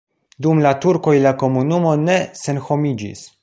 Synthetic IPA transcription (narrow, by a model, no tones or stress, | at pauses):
dumlatuɾko̞jlako̞munumo̞ne̞se̞nxo̞mid͡ʒḭs